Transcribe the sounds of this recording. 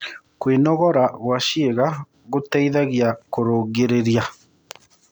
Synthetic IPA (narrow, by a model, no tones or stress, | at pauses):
kwenɔɣɔɾaɣwaʃieɣa | ɣotɛiðaɣiakoɾoɣeɾeɾja